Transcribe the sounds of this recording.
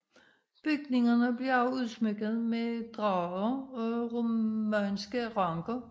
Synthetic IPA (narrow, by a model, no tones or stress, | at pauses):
b̥yɡ̥ne̝ŋɐnəb̥liɐɑ̈ʊuðˠsmeɡ̥əð̩ˠmed̥ʁɑðˠɐɒʁomænsɡ̥əʁɑ̈ŋɡ̥ɐ